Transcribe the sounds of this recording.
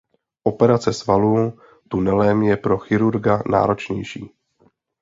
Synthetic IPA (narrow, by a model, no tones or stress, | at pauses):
ʔo̞pɛɾat͡sɛsvalu | t̪unɛlɛmjɛpɾo̞xɪɾuɾɡana̰ːɾo̞t͡ʃɲɛ̰jʃḭː